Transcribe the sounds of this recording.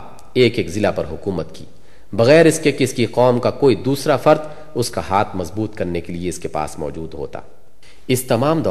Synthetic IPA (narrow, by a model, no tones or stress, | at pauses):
eːkeːkzɪlapɐɾɦʊkuːmət̪kḭː | bɐɣɛːɾɪskekɪskiqɔːmkakoːid̪uːsɾafɐɾt̪ | ʊskaɦaːt̪ʰmɐzbuːt̪kɐɾnekelieɪskepa̰ːsmɔ̰ːd͡ʒuːd̪ɦo̰ːt̪a̰ː | ɪst̪ɐmaːmd̪ɔː